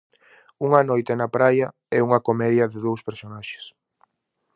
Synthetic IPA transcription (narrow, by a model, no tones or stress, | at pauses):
uŋɐnojt̪enɐpɾajɐ | ɛuŋɐkomɛðjɐðɪðowspeɾsonaʃɪ̥s